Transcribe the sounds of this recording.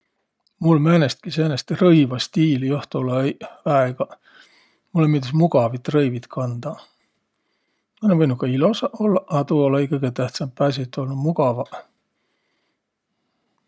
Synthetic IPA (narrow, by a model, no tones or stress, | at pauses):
mulmænest̪̚kisenest̪rɤjvɑst̪iːlijoht̪ulɑæeɡ̥ɑ | mulːemid̪esmuɡ̥ɑvit̪ːˑrɤjvit̪kʰɑnd̪̥ɑ | mɑlenvɤjnutkːɑilo̞sɑʔolːɑʔɑt̪uolːɑikɤɡ̥et̪æht̪sɑmppːæs̬it̪ːˑolnumuɡɑvɑ